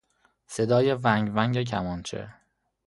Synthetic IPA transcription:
sed̪ɒːjevæŋɟvæŋɟec̬ʲʰæmɒːnt͡ʃʰḛ

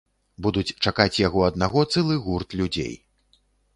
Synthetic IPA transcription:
bud̪ut͡sʲt͡ʂakat͡sʲjaɣɔɐd̪naɣɔt̪sɨlˠɨɣurt̪lʲud͡zʲḛj

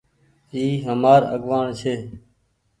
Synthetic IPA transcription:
iːɦəmaːɾə̰ɠʋaːɳt͡ʃʰeː

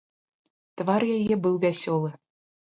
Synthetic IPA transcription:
t̪vɑrjajɛbɨwvʲæsʲolˠɨ̆

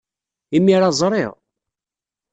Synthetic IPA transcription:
imːiɾɑzˤɾˤɪ̰ʁ

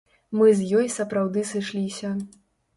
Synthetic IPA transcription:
mɨzʲjɔjsɐpɾawd̪ɨsɨʂlʲisʲɐ

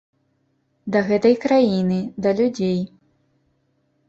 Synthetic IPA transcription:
d̪ɐɣɛt̪ɐjkɾajinɨd̪ɐlʲud͡zʲej

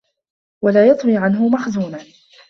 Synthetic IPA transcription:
walaːjɑt̪ˤwiːʕanɦʊmaxzuːnan

